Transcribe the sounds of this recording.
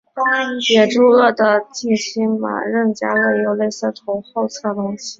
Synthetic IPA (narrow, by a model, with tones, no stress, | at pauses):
jɛ˨˩ʈ͡ʂu˥ɤ˥˩d̪ə˩t͡ɕi˥˩ɕi˥nma̰˨˩ɻə˥˩nt͡ɕja˥ɤ˥˩jo˧˥ʊle˥˧ɪsɤ˥˩t̪ʰʊ˧˥ŋxo˥˧ʊt͡sʰɤ˥˩t̪ʊ˥ŋɕi˨˩